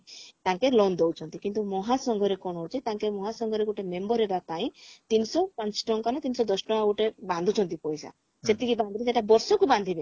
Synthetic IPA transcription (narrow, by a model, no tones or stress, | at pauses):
t̪aŋkelɔnd̪owt͡ʃʰɔnt̪ikint̪umɔɦasɔŋɡʱɔɾekɔnɦot͡ʃʰit̪aŋkemɔɦasɔŋɡʱɔɾeɡuʈemembɔɾɦebapaĩt̪insɔpãɲt͡ʃʈɔŋkanɔt̪insɔd̪ɔsʈɔaɡuʈebãnd̪ʱut͡ʃʰɔnt̪ipɔjsa̰ | set̪ikibãnd̪ʱiɾed͡ʒeʈabɔɾsɔkuband̪ʱibe